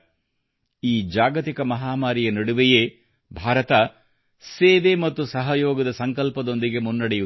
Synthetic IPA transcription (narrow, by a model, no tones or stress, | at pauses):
iːd͡ʒaːɡɐt̪ikɐmɐɦaːmaːɾijɐnɐɽuʋejeː | bʱaːɾɐt̪ɐ | seːʋemɐt̪ːusɐɦɐjoːɡɐd̪ɐsɐŋkɐlpɐd̪o̞nd̪iɡe̞munːɐɽeju